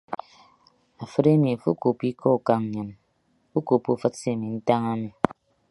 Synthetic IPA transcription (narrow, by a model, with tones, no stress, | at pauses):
a˨fɨ˦ɾe˦mi˨a˨fu˦ko˨pi˦kʰɔ˦˨ka˨ŋ˨ɲɨ˨n | u˦ko˨pu˨fɨ˦t̚se˦˨mi˨n̩˦ta˦ŋa˦mi˨